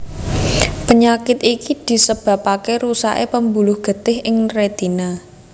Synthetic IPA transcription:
pəɲakɪt̪ikid̪̥i̤səb̥ä̤pakeɾusa̰ʔepəmbulʊhɡ̥ə̤t̪ɪɦɪŋret̪ina

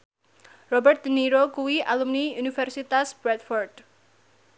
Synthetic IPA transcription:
rɔbɛrt̪̚d̪əniɾokuwiʔalumniunifɛrsit̪asb̥ɾɛt̪fɔrd̥

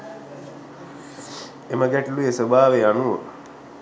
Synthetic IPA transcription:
eməɡæʈiluesəbʱaːʋeanuʋə̰

